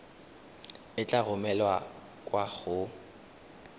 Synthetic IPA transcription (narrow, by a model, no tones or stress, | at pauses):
ɪt͡ɬʼaɣʊmɛlwa | kʼwaɣʊ